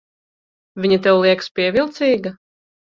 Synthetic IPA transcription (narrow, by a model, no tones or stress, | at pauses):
vʲiɲit̪̬ɛwlˠiɛkspʲiɛvʲilˠt̪siːɡɐ